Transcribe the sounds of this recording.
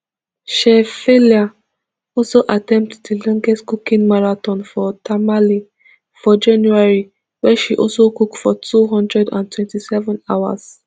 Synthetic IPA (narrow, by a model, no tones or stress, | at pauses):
ʃɛfelia | ɔlsoʔatɛ̃mp̚tdelɔ̃ŋɡɛstkukĩnmaɹatɔ̃nfɔtamali | fɔd͡ʒãnjuaɹi | wɛʃiʔɔlsokukfɔtʰuɦɔ̃ndɹɛdã̰ntwɛ̃ntisɛvɔ̃naʊwa̰s